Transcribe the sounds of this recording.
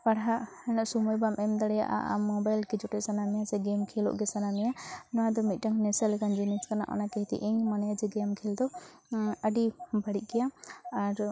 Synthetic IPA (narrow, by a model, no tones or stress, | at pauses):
paɽɦaʔhɛnaʔsumɔjbamʔɛmd̪aɽɛja̰ʔa̰ʔa̰mɔbajlkɛd͡ʒɔʈɛʔsanamɛjasɛɡɛmkʰɛlɔ̰ʔɡɛsanamɛjanɔwad̪ɔmit̪̚ˀʈaŋnɛsɛlɛkand͡ʒinɛskana̰ʔa̰nakɛɦt̪ḭʔiɲmanajad͡ʒɛɡɛmkʰɛld̪ɔ | əɖibaɽic̪̚ˀkɛjaaɾ